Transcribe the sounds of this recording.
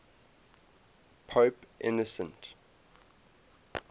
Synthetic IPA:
pʰoʊpʔɪ̰nɔsə̃nt

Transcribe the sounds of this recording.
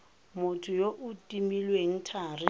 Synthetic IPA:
mʊtʰʊjoʔʊtʼimilweŋ̩tʰaːrɪ

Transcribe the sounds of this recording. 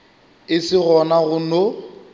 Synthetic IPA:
ɪsɪɣɔnaɣʊno

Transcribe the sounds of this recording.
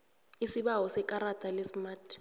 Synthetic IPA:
isiɓaɦɔsɛkʼaɾatʼalesmaːtʰʼi̥

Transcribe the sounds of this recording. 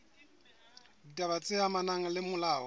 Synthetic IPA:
tʼaβat͡sʼɪamanaŋ̩lɪmʊlaːwɔ

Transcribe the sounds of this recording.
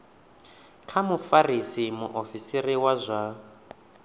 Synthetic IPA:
kʰamufarisimuʔofisiriwazʷa

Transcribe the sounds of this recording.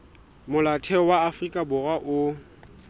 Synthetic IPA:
mʊlatʰɛɔwaːfrikʼabʊrwaʔʊ

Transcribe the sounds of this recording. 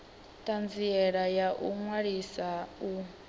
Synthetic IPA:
tʼand͡ziɛɺajaʔuŋwaɺisau

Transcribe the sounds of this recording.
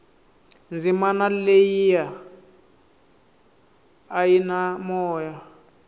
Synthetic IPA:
nd͡zimanalejija | jinamɔːja

